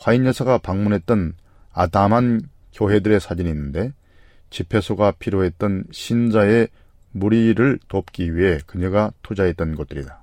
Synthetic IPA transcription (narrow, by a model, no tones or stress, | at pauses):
ɸwainjʌsʰaɡapaŋmunɦe̞t̚t͈ʌn | adamɦan | kjoɦe̞dɯɾe̞sʰad͡ʑiniːnːɯnde̞ | t͡ɕipʰe̞sʰoɡapʰiɾjoɦe̞t̚t͈ʌnɕʰind͡ʑae̞ | muɾiɾɯɭtop̚k͈iɥiɦe̞kɯɲeɡatʰod͡ʑae̞t͈ʌnɡʌt̚t͈ɯɾḭda